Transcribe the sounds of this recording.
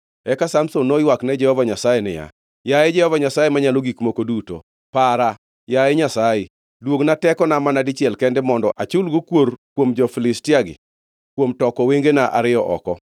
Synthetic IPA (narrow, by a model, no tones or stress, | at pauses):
ɛkasamsonːojwaknɛd͡ʒɛhɔvaɲasajenɪ̰ja̰ | jaɛd͡ʒɛhɔvaɲasajemaɲaloɡikmokoduto̰ | paɾa | jaɛɲasaje | dwoɡnatɛkɔnamanadɪt͡ʃjɛlkɛndɛmɔndɔʔat͡ʃʊlɡokworkwomd͡ʒɔfɪlɪstɪaɡɪ̰ | kwomtɔkɔweŋɡenaʔa̰ɾɪjɔʔɔ̰kɔ